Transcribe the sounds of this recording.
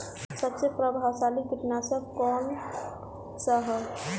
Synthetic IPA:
sɐbsepɾəbʱaːʋsaːliɡʱɪʈnasəkɔːn | saɦɛ

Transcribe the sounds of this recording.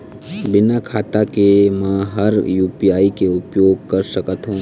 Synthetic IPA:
bɪnakʰaːt̪akemɛ̃ɦɐɾjuːpijaːikeʊpjoːɡ̚kɐɾʃəkət̪ɦũː

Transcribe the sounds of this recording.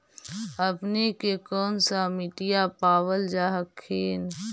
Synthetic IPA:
əpnekekɔːnsamɪʈijapaːʋəld͡ʒaːɦəkʰːeːn

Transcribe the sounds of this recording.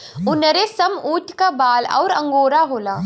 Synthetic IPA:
ʊnɾesɐmuːʈʰkabaːlɔ̰ːɾɐ̰̃ŋɡoːɾaɦoːlaː

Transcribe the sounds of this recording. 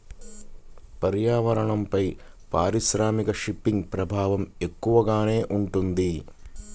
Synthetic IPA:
pɐɾjaːʋɐɾɐɳɐmpɐj | paːɾiʃɾaːmikɐʂipːiŋɡpɾɐbʱaːʋɐme̞kːuʋɐɡaːne̞ːʔuɳʈund̪i

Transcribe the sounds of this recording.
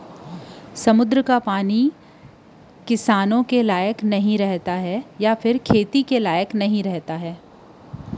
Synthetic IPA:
sɐmʊd̪ɾəkapaːni | kɪsaːnõkelaːjəknɐɦĩɾɛɦt̪aɦɛjapʰɪɾkʰeːt̪ikelaːjəknɐɦĩɾɛɦt̪aɦɛː

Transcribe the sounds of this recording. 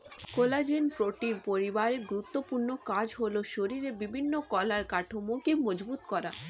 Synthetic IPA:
kolad͡ʑenpɾoʈiɾpoɾibaɾeɡuɾut̪ːopuɾnokad͡ʑɦoloʃoɾiɾebibʱinːokɔlaɾkaʈʰomokemɔd͡ʑbut̪kɔɾa

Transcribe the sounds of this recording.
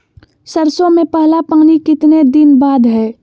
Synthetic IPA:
səɾsõmẽpɛɦlapaːnikɪt̪ned̪ɪnbaːd̪ɦɛː

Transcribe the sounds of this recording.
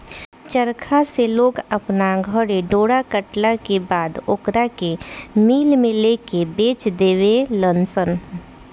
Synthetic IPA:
t͡ʃəɾkʰaseloːɡɐpnaɡʱəɾeɖoːɽakəʈlakebaːd̪okɾakemiːlmẽleːkebeːt͡ʃd̪eːʋelənsən

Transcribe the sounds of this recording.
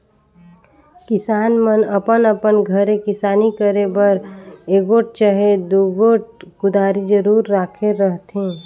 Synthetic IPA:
kɪsaːnmənəpənəpənɡʱəɾekɪsaːnikəɾebəɾeːɡoːʈ̚t͡ʃaɦed̪uɡoːʈ̚kʊd̪aːɾid͡ʒəɾuːɾːaːkʰeɾəɦt̪ẽː

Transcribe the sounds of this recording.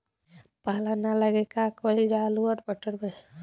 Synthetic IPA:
paɦlanaləɡekakɔild͡ʒaluəɾbəʈəɾbe

